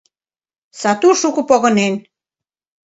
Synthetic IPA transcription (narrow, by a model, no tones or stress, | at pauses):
sɑt̪uʃukə̆poɣə̆nen